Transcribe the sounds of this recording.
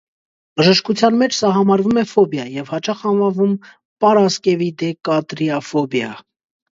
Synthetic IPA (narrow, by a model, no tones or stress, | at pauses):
bəʒəʃkut͡sʰjɑnmɛt͡ʃʰsɑɦɑmɑɾvumɛfɔbjɑjɛvhɑt͡ʃɑχhɑnvɑvum | pɑɾɑskɛvid̪ɛkɑt̪ɾiɑfɔbjɑ̰